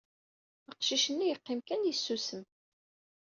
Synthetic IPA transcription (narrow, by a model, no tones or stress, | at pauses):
əqʃiʃənːijəqːɪmkænjəsːusəm